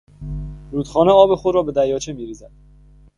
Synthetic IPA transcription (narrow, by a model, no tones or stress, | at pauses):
ɾuːt̪χɒːneɒːbe̞xod̪ɾɒːbe̞d̪æjɒːt͡ʃʰemiːɾiːzæd̪̥̚